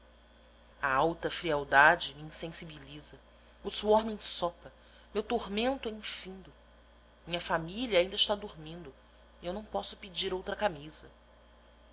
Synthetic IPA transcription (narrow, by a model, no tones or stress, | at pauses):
ɐawt̪ɐfɾiawd̪ad͡ʒɪmiĩsẽsibilizɐ | ʊsuɔɾmiẽsɔpɐ | mewt̪oɾmẽnt̪ʊɛĩfĩnd̪ʊ | mĩɲɐfamiliɐaːĩnd̪ɐɪʃt̪ad̪uɾmĩnd̪ʊ | iewnɐ̃w̃pɔsʊpid͡ʒiɾowt̪ɾɐkamizɐ